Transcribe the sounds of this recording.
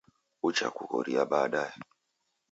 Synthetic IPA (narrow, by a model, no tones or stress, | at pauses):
ut͡ʃa̰kukɔ̰ɾijabaːɗaja